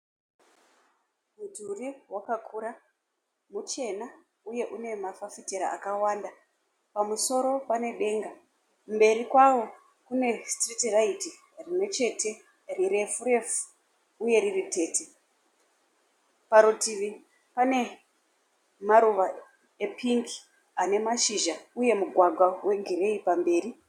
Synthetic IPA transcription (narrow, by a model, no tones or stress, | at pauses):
mudʱuriwakakʰuɾa | mut͡ʃe̞na | uje̞ʔune̞mafafiteɾa̰a̰kawaːnda | pamuso̞ɾo̞pane̞ɗe̞ːŋɡa | mbe̞ɾikwawo̞ | kune̞stritraiti | rimwe̞t͡ʃe̞te̞ | riɾe̞fuɾe̞fu̥ | uje̞ɾirite̞ːte | paɾotiʋi | pane̞ | maɾuʋa | epiŋki̥ | ane̞maʃiʒauje̞muɡʱwaɡʱwawe̞ɡʱiɾe̞ipambe̞ːɾi